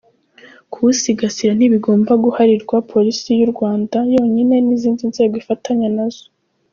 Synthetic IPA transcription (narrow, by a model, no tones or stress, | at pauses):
kʰusiɡasiɾan̥iβiɡo̞ːmbaɡuhaɾiɾɡwapʰo̞ɾisijuɾɡwaːndajo̞ːɲine̞niziːndinz̥e̞ːɡoifatʰaɲanaz̥o